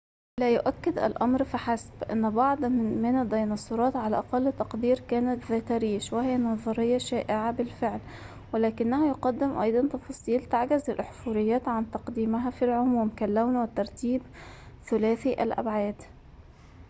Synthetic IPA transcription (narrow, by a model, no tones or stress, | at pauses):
læjʊʔækːɪd̪ʔæ̰lʔɑmɾfaħasbʔɪ̰nːbɑʕd̪ˤmɪnɪd̪ːɑjnɑsˤːʊɾˤɑːt̪ʕalæʔɑqɑlːt̪ːɑqd̪iːɾkæːnat̪ðæt̪aɾiːʃwæhɪjːnɑðˤɑɾɪjːɑʃæːʔɪʕabɪlfɪʕl | wɪlæːkɪnːæhæjʊqɑd̪ːɪmʔɑ̰jd̪ˤɑnt̪ɑfɑsˤiːlt̪aʕɡɪzɪlʔħfuɾɪjːæːt̪ʕant̪ɑqd̪iːmɪɦæfilʕʊmuwɪmkalːæwnwɪt̪ːɑɾˤt̪iːbθʊlæːθiʔæ̰lʔa̰bʕaːd̪